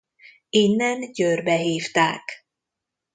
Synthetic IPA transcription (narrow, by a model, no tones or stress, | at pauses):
inːɛnɟørbɛɦiːft̪aːk